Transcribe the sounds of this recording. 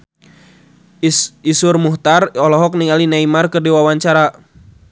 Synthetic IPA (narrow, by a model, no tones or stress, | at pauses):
isurmuht̪arɔlɔɦɔk̚niŋalinaimarkɨrdiwawaɲt͡ʃaɾa